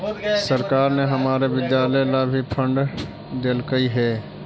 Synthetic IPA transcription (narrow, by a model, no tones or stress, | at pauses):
səɾkaːɾneɦəmaːɾebɪd̪jaːlelabʱipʰə̃ɳɖ | d̪eːlkəiɦɛː